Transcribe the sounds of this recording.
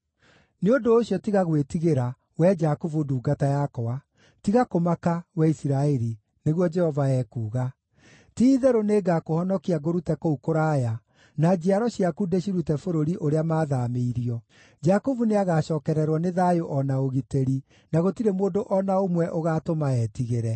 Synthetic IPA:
neondoːɕjɔtiɣaɣwetiɣeɾa | wɛd͡ʒakuvuduːɡatajakɔwa | tiɣakomakawɛisiɾaɛɾi | neɣwɔd͡ʒɛhɔvaɛːkuːɣa | tiːðɛɾoneːɡakohɔnɔkiaɡoɾutɛkoukoɾaːja | nad͡ʒiaɾɔɕiakudeɕiɾutɛfoɾoɾiʔoɾeamaːðameiɾiɔ | d͡ʒakovuneaɣaɕɔːkɛɾɛɾwɔneðaːjoʔɔnaoɣiteɾi | naɣotiɾemoːndoʔɔnaomwɛʔoɣatomaɛːtiɣeɾɛ

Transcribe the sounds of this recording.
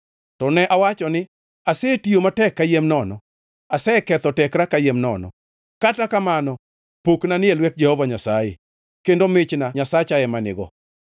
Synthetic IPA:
tɔnɛʔawat͡ʃɔnɪ | asɛtiomatɛkːajemnɔnɔ̰ | asɛkɛt̪ɔtɛkɾakajemnɔ̰nɔ̰ | katakamanɔ | poknanɪɛlwɛt̚d͡ʒɛhɔvaɲasaje | kendomɪt͡ʃnaɲasat͡ʃaɛmanɪ̰ɡɔ̰

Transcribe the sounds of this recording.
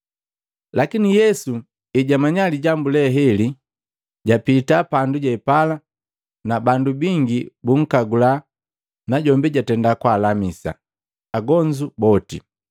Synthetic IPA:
lakinijɛsu | iɟamaɲaliɟambulɛɦɛli | ɟapitapanduɟɛpala | nabandubiŋɡibuŋ̩kaɡula | naɟɔmbiɟatɛndakwalamisa̰ | aɡɔɲd͡ʒubɔtḭ

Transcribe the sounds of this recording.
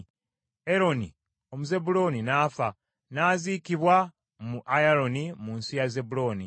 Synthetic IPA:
e̞ɾo̞ni | o̞muze̞bulo̞ninaːfa | naːziːkiβwa | muʔajaɾo̞nimuːnsijaze̞bulo̞ːni

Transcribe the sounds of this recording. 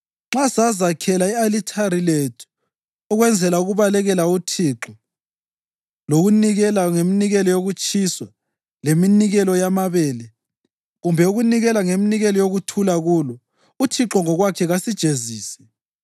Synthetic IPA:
ŋ͡ǁasazakʰɛlaialitʰaɾiletʰu̥ː | ɣwɛnd͡zʱɛlauɣuβalɛɣɛlautʰiːǁɔ | loɣuniɣɛlaŋeminiɣɛlɔjoɣut͡ʃʼiswa | leminiɣɛlɔjamaβɛːlɛ | ɣumbʱɛuɣuniɣɛlaŋeminiɣɛlɔjoɣutʰulaɣuːlɔ | utʰiǁɔŋɔɣwakʰɛɣasid̥ʒ̥ʱeziːsɛ̥

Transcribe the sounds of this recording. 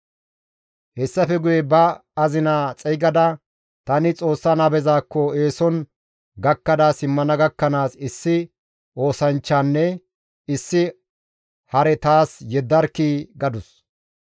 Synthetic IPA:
hɛsːɐfɛɡʊjɛbɐɐzɪnaːt͡sʼɛjɡɐd̪ɐ | t̪ɐnɪt͡sʼo̞ːsːanɐbɛzaːkːɔe̞ːsɔn | ɡɐkːɐd̪aːsɪmːɐnɐɡɐkːɐnaːsɪsːɪ | ʔo̞ːsɐnt͡ʃːaːnːɛ | ɪsːɪ | hɐɾɛt̪aːsjɛd̪ːɐɾkːiːɡɐd̪ʊs

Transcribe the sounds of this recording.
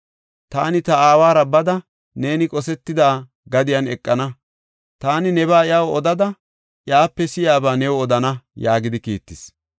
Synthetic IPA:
t̪aːnɪt̪ɐaːwaːɾɐbɐd̪ɐ | ne̞ːnɪkʼɔsɛt̪ːɪd̪aː | ɡɐd̪ɪjɐnɛkʼːɐnɐ | t̪aːnɪnɛβaːɪjɐwɔd̪ɐd̪ɐ | ʔjaːpːɛsɪjaːbaːnɛwɔɔd̪ɐnɐjaːɡɪd̪ɪkiːt̪ːɪs

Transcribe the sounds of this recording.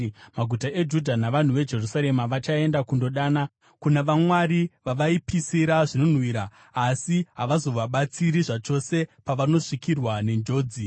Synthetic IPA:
maɡʱutaʔe̞d͡ʒudʱanaʋan̤uʋe̞d͡ʒe̞rusaɾe̞maʋat͡ʃae̞ndakundo̞ɗaːna | kunaʋamwaɾiʋaʋaipisiɾaʐino̞n̤wiɾaː | siɦaʋazo̞ʋaɓat͡siɾiʐat͡ʃo̞se̞paʋano̞ʂikirwane̞nd͡ʒo̞ːd͡zi

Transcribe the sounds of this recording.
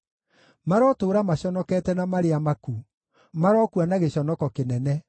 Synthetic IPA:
maɾɔtoːɾamaɕɔnɔkɛːtɛnamaɾeamaku | maɾɔkuanaɣeɕɔnɔkɔkenɛnɛ

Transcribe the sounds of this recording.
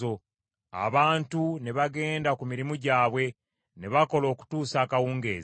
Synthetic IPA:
o̞ | a̰βaːntune̞βaɡe̞ːndakumiɾimuɟaːβwe̞ | neβako̞lo̞ːku̥tuːsaːkawuːŋɡḛːz

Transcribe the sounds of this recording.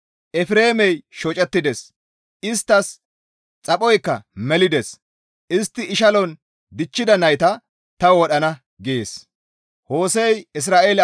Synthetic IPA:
ʔɛfɾe̞ːmɛjʃɔt͡ʃʼɛt̪ːɪd̪ɛs | ʔɪst̪ːɐs | t͡sʼɐpʼɔjkːɐ̰mɛlɪd̪ɛs | ʔɪst̪ːɪɪʃɐlɔn | d̪ɪt͡ʃːɪd̪ɐnɐjt̪ɐ | t̪ɐwɔɗɐnɐ | ɡeeːs | ho̞ːsɛjɪs̬ɾaːʔeːl

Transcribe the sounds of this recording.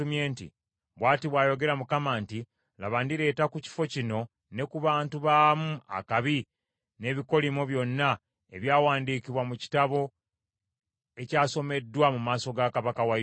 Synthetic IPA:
umje̞ːntḭ | βwaːtiβwaːjo̞ɡe̞ɾamukamanti | la̰βandiɾe̞ːtakuci̥fo̞cino̞ | ne̞kuβaːntuβaːmua̰kaβi | ne̞ːβiko̞limoβjo̞nːa | eβjaːwaːndiːkiβwamuci̥taβo̞ | e̞caːso̞me̞dːwamumaːso̞ɡakaβakawa

